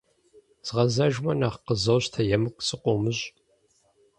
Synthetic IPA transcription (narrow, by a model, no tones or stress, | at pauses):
z̥ʁɐzɐʒmɐnaχqəzɐwɕtʰɐjɛmɨkʷʼt͡sʼɨqʷomɨɕʼ